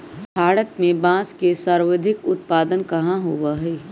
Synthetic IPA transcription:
bʱaːɽət̪mẽbãːskesaɾwəd̪ʱɪkʊt̪paːd̪ənkɐɦãɦowaɦɛː

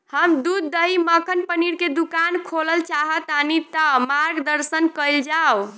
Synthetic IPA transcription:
həmd̪ud̪ːəɦiməkʰənpəniɽked̪ukankʰoləlt͡ʃaɦət̪anit̪amaɾɡd̪əɾsənkəjld͡ʒaw

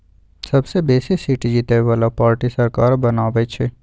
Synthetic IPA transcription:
sɐbsebeːsesiːʈid͡ʒit̪eʋalapaːɾʈisɐɾkaːɾbɐnaːbet͡ʃʰe

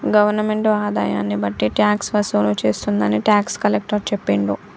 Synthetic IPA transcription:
ɡɐʋɐɾnɐmeɳʈaːd̪a̰ːjaːnːibɐʈːiʈjaːksʋɐsunut͡ʃe̞ːst̪und̪ɐniʈjaːkskɐlek̚ʈɐɾt͡ʃepːeːɳɖu

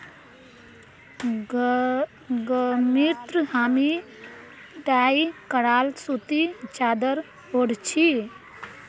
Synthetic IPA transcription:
ɡmiɾt̪ɾəhaːmi | ɖaːikəɽaːlsut̪it͡ʃaːd̪əɾ | oɽt͡ʃʰi

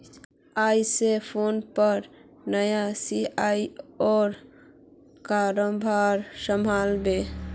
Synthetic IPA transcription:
ajsepʰonpəɾ | nəjasiaiɔːɾ | kaɾəmbʱaɾsəmʱalbe

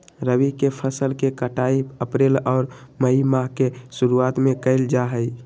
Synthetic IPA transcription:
ɾəwikepʰəsəlkekəʈaiəpɾeːlɔːɾməɦimaɦkesʊɾuaːt̪mẽkəɪld͡ʒaɦəi

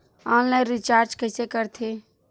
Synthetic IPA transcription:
aːnlaɪ̃ɾit͡ʃaːɾd͡ʒkəɪsekəɾt̪ʰe

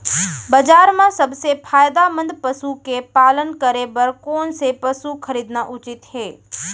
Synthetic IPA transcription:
bɐd͡ʒaːɾmãsɐbsepʰaːjd̪amə̃nd̪pəsukepaːlənkəɾebɐɾkoːnsepɐsuxʰəɾiːd̪naʔʊt͡ʃɪt̪heː

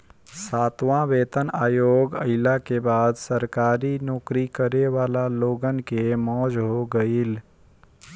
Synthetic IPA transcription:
saːt̪wãʋeːt̪ənaːjoːɡə̰ɪlakebaːd̪səɾkaːɾinɔːkɾikəɾeʋaːlaloːɡənkemɔːd͡ʒɦoɡəil

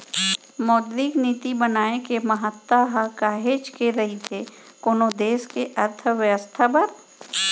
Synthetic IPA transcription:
moːd̪ɾiːkniːt̪ibənaːekemɐɦət̪ːaɦakaːɦeːd͡ʒkeɾɐɦit̪ʰe | koːnod̪eːskeʔɐɾt̪ʰəʋjəʋəst̪ʰapɐɾ

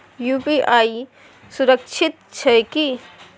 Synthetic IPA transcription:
jupiʔaːi | sʊɾəkʃʰɪt̪̚t͡ʃʰɐki

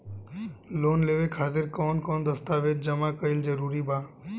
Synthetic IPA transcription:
loːnleːʋekʰaːt̪ɪɾkɔːnkɔːnd̪əst̪aːʋet̪̚d͡ʒəmakəɪld͡ʒəɾuːɾiːbãː

